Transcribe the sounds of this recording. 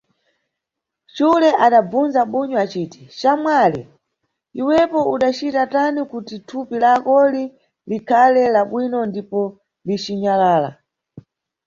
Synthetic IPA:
t͡ʃulɛʔaɗab͡vunzaɓuɲɔat͡ʃiːti̥t͡ʃamwalɛ̰ | iwɛpɔuɗat͡ʃitatanikutitʰupilakɔli | likʰalɛlaɓwinɔndipɔ | lit͡ʃiɲalaːla̰

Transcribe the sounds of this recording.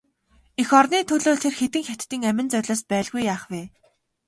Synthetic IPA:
exɔrniːt̪ʰɵɮoːɮt̪ʰerxet̪ɘ̆ŋxʲat̪ːiːŋæmʲɪ̆nt͡sœrʲɮɔːspæːɮɣujːaːχweː

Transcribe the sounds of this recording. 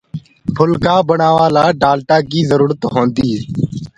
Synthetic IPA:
pʰʊlkaːbəɳaːʋaːlaːɖaːlʈãːkiːzəɾuːɾət̪ɦõːnd̪iː

